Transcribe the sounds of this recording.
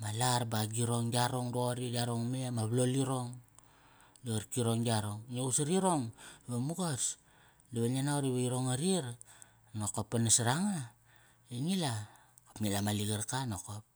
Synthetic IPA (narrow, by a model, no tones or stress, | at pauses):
malaɾbaɡiɾo̞ŋɡiaɾo̞ŋɾoɾidiaɾoŋme̞maβloliɾo̞ŋ | liɡaɾkiɾo̞ŋɡiaɾoŋnousaɾiɾo̞ŋβamuɡos | liβananaoɾiβaiɾo̞ŋaɾiɾ | nokopːanasɾaŋa | eŋila | kapŋilamaliɡaɾkanokop̚